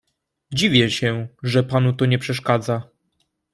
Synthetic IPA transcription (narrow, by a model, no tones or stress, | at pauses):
d͡ʑivʲjɛɕɛʐɛpanut̪ɔɲɛpʂɛʂkad̪za